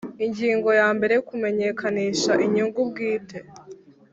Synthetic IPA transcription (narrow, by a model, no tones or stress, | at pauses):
iɲɟiːŋɡo̞jaːmbe̞ɾe̞jkume̞ɲe̞kʰaniːʃaʔiɲuŋɡub̚ɡiːte̞